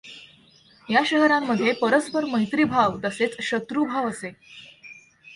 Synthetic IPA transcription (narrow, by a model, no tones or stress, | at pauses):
jaɕəɦɾamːəd̪ʱːjepəɾəspəɾməɦjt̪ɾiːbʱaʋt̪əset͡sɕət̪ɾubʱaʋəse